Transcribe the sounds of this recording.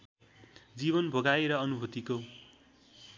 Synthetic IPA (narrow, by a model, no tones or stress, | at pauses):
d͡ziβʌnbʱʌɡaeɾʌʌnubʱʌt̪iko